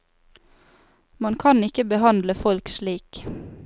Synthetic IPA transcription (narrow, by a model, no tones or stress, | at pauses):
mɑnkʰɑnɪkəbəhɑnd̪ləfɔlkʃliːk